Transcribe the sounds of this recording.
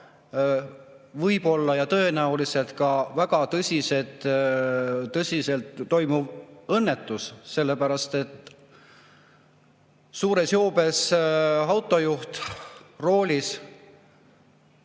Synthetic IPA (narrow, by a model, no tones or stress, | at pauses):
vɤjb̥o̞lːɑjɑt̪ɤ̞e̞næulise̞lt̪kɑvæɡ̥ɑt̪ɤsʲise̞t̪ | ɤsʲise̞lt̪ːo̞jmuvɤnːe̞t̪ːˑusse̞lːe̞pæɾɑst̪e̞t̪ː | suːɾe̞sjoːbe̞sɑwt̪ːˑo̞juht̪ro̞ːlʲis